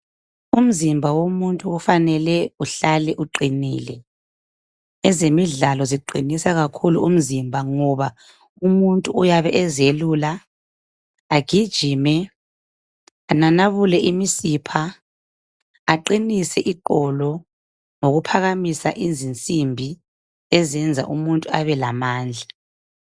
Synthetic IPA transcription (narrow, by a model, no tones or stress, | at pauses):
um̩zimbʱawomuntʼuɣufanɛlɛuɬalɛʔuǃiniːlɛ | ɛzemiɮalɔziǃʱinisaɣakʰulṵum̩zimbʱaŋɔβa | umuntʼuujaβɛʔɛzelula | ɡ̥ʱid̥ʒ̥ʱiːmɛ | ananaβulɛʔimisipʰa | ǃinisɛʔiǃɔlɔ | ŋoɣupʰaɣamisaʔizint͡sʼimbʱi | ɛzɛnd͡zʱa̰ʔumuntʼuaβɛlamaːnd͡ɮʱa